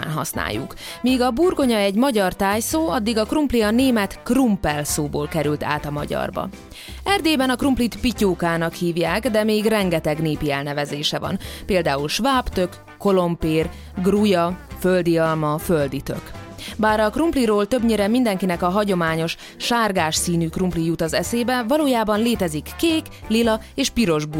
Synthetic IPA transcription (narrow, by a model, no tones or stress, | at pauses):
nɦɒ̰sna̰ːjːṵkmiːɡɒburɡo̞ɲɒɛɟmɒɟɒrt̪aːjsoːɒd̪ːiɡɒkrumpliɒneːmɛt̪krumpɛlsoːbo̰ːlkɛɾylt̪ʰa̰ːt̪ɒmɒ̰ɟɒ̰rbɒ̰ | ɛrd̪eːbɛnɒkrumplit̪picoːkaːnɒkhiːvjaːɡd̪ɛmeːɡrɛŋɡɛt̪ɛɡneːpiɛlnɛvɛzeːʃɛvɒ̰npeːld̪aːulʃvaːpt̪økːo̞lo̞mpeːr | ɡrujɒføld̪iɒlmɒføld̪it̪ø̰k | baːɾɒkrumpliɾoːlt̪øbɲeːɾɛmːind̪ɛŋkinɛkɒɦɒɟo̞maːɲo̞ʃ | ʃaːrɡaːʃsiːnyːkrumplijut̪ɒzɛseːbɛvɒloːjaːbɒnleːt̪ɛzikːeːk | lilɒ | eːʃpiɾo̞ʒbu